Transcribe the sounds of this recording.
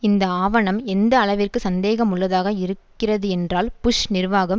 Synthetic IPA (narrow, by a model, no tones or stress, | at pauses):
ɪnd̪ɐaːʋɐɳɐmɛnd̪ɐːɭɐʋɪrkɯsɐnd̪eːɣɐmʊɭːɐðaːɣɐɪɾɯkːɪrɐðɯɛndraːlpʊʂnɪrʋaːɣɐm